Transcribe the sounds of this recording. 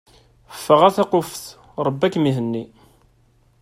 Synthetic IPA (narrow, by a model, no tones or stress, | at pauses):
əfːəʁæθæqofθ | ɾˤəbːækmiɦənːi